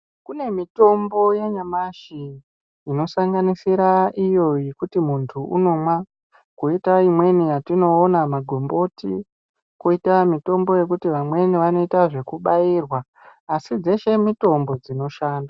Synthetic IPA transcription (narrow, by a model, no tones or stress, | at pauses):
kune̞mito̞mbo̞jeɲamaʃiː | no̞saŋɡanisiɾaijo̞ikutimuntʰuṵno̞mwa | kuitaimwe̞nijatino̞ːnamaɡʱo̞mbo̞tḭ | kuitamito̞mbo̞je̞k̬utiʋamwe̞niʋano̞itaʐe̞kuɓairwaː | sid͡ze̞ʃe̞mito̞mbo̞d͡zino̞ʃaːnda